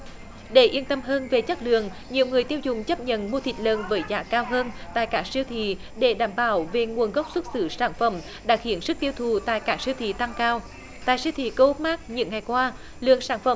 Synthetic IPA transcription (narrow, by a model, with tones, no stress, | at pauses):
ɗe˧˩ʔi˧ənt̪ə˧mɦəː˧nve˨˩t͡ɕə˦˥t̚lɨ̰˧˨əŋ | ɲi˨˩əwŋɨ˨˩əjt̪i˧əwzʊ˨˩ŋ͡mt͡ɕə˦˥p̚ɲə̰˧˨nmo˧t̪ʰï˨˩t̚lə̰ː˨nvəː˨˦jzaː˧˩˦kaː˧wɦəː˧nt̪a̰ː˧˨jkaː˦˥k̚si˧əwt̪ʰḭ˧˨ | ɗe˧˩ɗaː˧˩mɓaː˧˩˦wve˨˩ŋu˨˩ənɣə˦˥wk͡p̚swə˦˥t̚sɨ˧˦saː˧˩nfə˧˩m | ɗa̰ː˧˥xi˧˩˦ənsɨ˦˥k̚t̪i˧əwt̪ʰu˨˩t̪a̰ː˧˨jkaː˦˥k̚si˧wt̪ʰḭ˧˨t̪a˧ŋkaː˧w | t̪a̰ː˧˨jsi˧wt̪ʰḭ˧˨kə˧ho˦˥t̚maː˦˥k̚ɲɨ̰˧˥ŋːa˨˩jkwaː˧ | lɨ̰˧˨əŋsaː˧˩nfə˧˩˦m